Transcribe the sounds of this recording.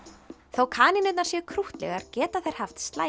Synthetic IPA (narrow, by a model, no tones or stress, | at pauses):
θawkʰaːninʏt̪naɾsjɛkʰɾuht̪lɛ̰ɣaɾcɛːt̪aθejɾ̥haft̪st̪laː